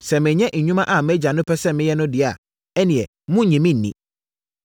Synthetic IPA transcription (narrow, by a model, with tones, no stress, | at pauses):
sɛ˨mɪ̃˨ɲɛ̃˦ʔɲ̩˨ɲᶣũ˦mã˦ʔa˨mɛ˦d͡ʑa˨nʊ̃˦pʰɛ˦sɛ˦mɪ̃˦jɛ˦nʊ̃˦dɪ˨a˨ | ɛ˦nĩ˨ɛ˨ | mʊ̃˦˨ɲĩ˨mĩ˦n̩ː˨ḭ̃˨